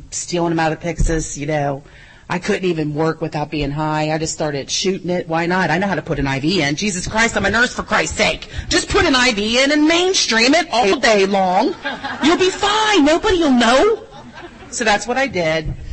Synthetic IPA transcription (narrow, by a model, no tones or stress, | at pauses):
stilˠɪ̃ŋəmaʊɾʌ̥pʰɪksɨz̥jɨnoʊ | ʔaɪkʰʊdⁿn̩tivɨ̃nwɜ˞kwɨθaʊt̚b̥iɪ̃ŋɦaɪaɪd͡ʒʌststɑɹɾɨd̥ʃʉɾɪ̃ŋɪt̚waɪnətaɪnoʊɦaʊɾəpʰʊɾɨ̃naɪviɪ̃nd͡ʒizɨskʰɹ̥aɪstãɪ̃mɨnɜ˞sfə˞kʰɹ̥aɪstseɪkd̥ʒ̥ʌspʰʊɾɨ̃naɪviɪ̃nɨ̃nmẽɪ̃nstɹ̥ĩmɪɾɔl̩ˠdeɪlɔ̃ŋjɨlˠbifãɪnoʊbəɾijəlˠnoʊ | soʊðætswʌɾaɪdɪd̥̚